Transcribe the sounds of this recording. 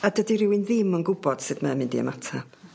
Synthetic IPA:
adədiɾɪwinðɪmənɡʊbɔd̥sɨdmamɪndḭə̰matʰa

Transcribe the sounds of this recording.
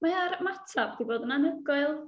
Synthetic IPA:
maaɾmatʰab̚diboːdənanəɡʊɨlˠ

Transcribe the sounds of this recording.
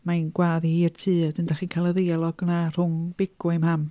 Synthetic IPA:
manɡwaːðihiːrtʰɨːdəndaχiːnkʰalˠəðealˠɔɡ̥nar̥ʊŋb̥ɪɡ̥ʊɪmham

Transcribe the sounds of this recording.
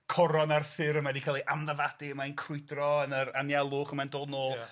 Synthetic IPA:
kʰɔɾɔnarfɪɾəmɛdikʰalˠiʔamðəvad̥iəmainkʰrʊɨdrɔənəɾanjalˠʊːχəmɛndɔnɔːlˠ

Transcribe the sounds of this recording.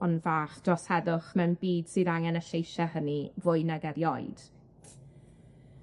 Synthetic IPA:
ɔnvaːχd̥rɔshɛdʊχmɛwnbiːd̥sɨðaŋɛnəɬejʃahənivʊɨnaɡɛɾjɔjd̥

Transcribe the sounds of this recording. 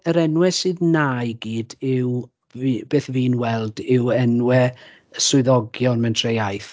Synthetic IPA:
əɾɛnwɛsɨːðnaːjɡiːdɪw | b̥eːθviːnwɛlˠdɪwɛnwɛ | əsʊɨðɔɡjɔnmɛntʰrejajθ

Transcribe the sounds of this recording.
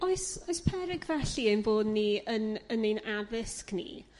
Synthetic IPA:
oɨsoɨspʰɛɾɪɡvɛɬiejnboːdniənənejnavɪsknḭ

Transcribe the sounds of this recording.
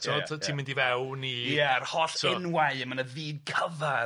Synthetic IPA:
tʰɔɔtʰiːmɪ̃ndivɛwnijaarhɔrɪnwaɨəmənəviːd̚kʰəva

